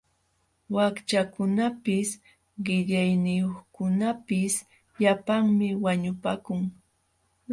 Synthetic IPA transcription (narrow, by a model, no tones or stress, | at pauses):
wakt͡ʃakʊnapɪs | ɢɪʎajnɪjoχkʊnapɪs | ʎapaŋmɪwaɲʊpaːkʊŋ